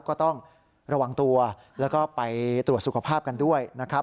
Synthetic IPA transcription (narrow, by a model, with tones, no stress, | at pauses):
kɔː˥˩t̪ɔ˥˩ŋ | ɾa˧wa˧ŋt̪u˧ɐ | lɛː˦˥wkɔː˥˩pa˧jt̪ɾu˨˩ət̪̚su˨˩kʰa˧pʰaː˥˩p̚ka˧ndu˥˩əjna˦˥kʰɾa˦˥